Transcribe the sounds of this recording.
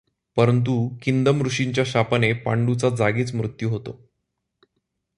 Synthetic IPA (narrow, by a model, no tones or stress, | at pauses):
pəɾənt̪̬ukind̪əmɾuʂiɲt͡ɕjaɕapənepa̰ɳɖut͡sad͡zaɡiːt͡smɾut̪juɦot̪o̰